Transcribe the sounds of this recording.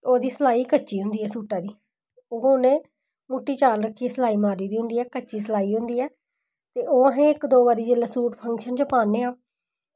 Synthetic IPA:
oːd̪iːsəlaːiːkət͡ʃʃiːɦʊ̃nd̪iːɛːsuːʈaːd̪iː | oːoːnẽː | muːʈːiːt͡ʃaːlɾəkʰːiːsəlaːiːmaːɾiːd̪iːɦʊ̃nd̪iːɛːkət͡ʃiːs̬əlaːiːɦʊ̃nd̪iːɛː | t̪eːʔoːɦẽːɪkd̪oːbaːɾiːd͡ʒelaːsuːʈpʰəŋkʃənd͡ʒəpaːnːeːaː

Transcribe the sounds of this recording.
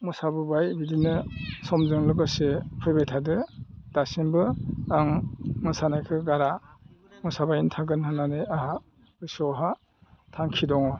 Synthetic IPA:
mɔsabɯbajbidinɯsɔmzɯŋlɯkɯsepʰɯjbajtʰadɯd̥asinbɯaŋmɯsanajkʰɯɡaɾamɔsabajintʰaɡɯnhɯnaneaɦa | ɯsɔɦa | tʰaŋkʰidɔŋɔ

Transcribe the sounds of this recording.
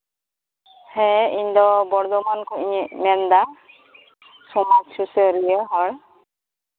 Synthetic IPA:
hɛiɲd̪ɔbɔɽd̪ɔmankɔiɲɛmɛnd̪a | sɔmad͡ʒsusɔɾijɛɦɔɽ

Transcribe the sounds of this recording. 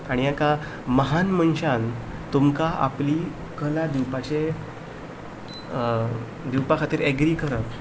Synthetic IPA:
aɽ̃ijaka | məɦanmənɕant̪umkaa̰pli | kəlad̪iwpat͡ɕe | d̪iwpakʰat̪iːɾeɡɾiːkəɾə

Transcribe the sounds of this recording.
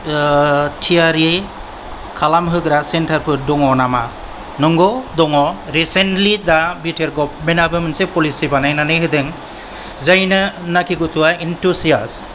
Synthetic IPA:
tʰiaɾi | kʰalamɦɯɡɾasentʰaɾpʰɯɾdɔŋɔnama | nɯŋɡɔdɔŋɔɾisentlid̪abitʰeɾɡɔb̚menabɯmɯnsepʰɔlisibanajnanɯɦɯdɯŋ | zajnɯnakʰiɡutʰuwaintʰusijas

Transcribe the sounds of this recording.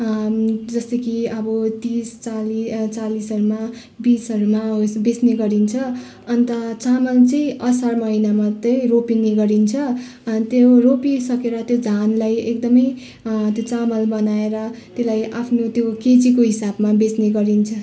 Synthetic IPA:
d͡zʌst̪ʌkiʌbʌt̪ist͡salit͡salisʌɾuma | bisʌɾumaɦosbesneɡʌɾint͡sʰʌ | ʌnt̪ʌt͡samʌlt͡sʌĩʔʌsarmʌɦinamat̪ʌjropineɡʌɾint͡sʰʌ | t̪joropisʌkeɾʌt̪jod͡zʱanlajekd̪ʌmʌj | t̪jot͡samʌlbʌnaeɾʌt̪elajʔapʰnot̪joket͡sikoɦisabmabesneɡʌɾint͡sʰʌ

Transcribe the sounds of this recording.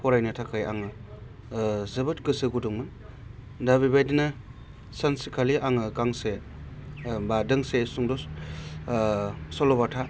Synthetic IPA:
pɔɾajnɯtʰakʰaja̰ŋɯ | zɐbɯtkɯsɯɡuduŋmɯn | dabibajdina | sansikʰaliʔaŋɯkaŋse | badɯŋsesuŋdɔ | sɔlɔbatʰa

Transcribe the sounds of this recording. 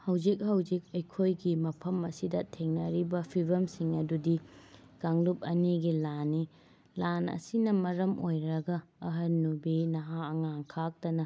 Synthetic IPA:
hɐwzik̚hɐwzik̚ɐjkʰojɡimɐpʰɐmɐsidɐtʰeŋnɐɾibɐpʰibɐmsiŋɐdudi | ɡ̥aŋlup̚ɐniɡilanːi | lanɐ̰sinɐmɐɾɐmʔojɾɐɡɐːɦɐnːubinɐɦaɐŋaŋkʰak̚tɐnɐ

